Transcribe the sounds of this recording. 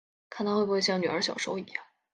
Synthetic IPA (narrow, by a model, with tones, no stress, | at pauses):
kʰa˥˩nt̪ʰxwe˥˩bwjɑ˥˩ŋny˨˩ə˞˧˥ɕjɑ˨˩ʊʂo˧˥ʊḭ˨˩jɑ˥˩ŋ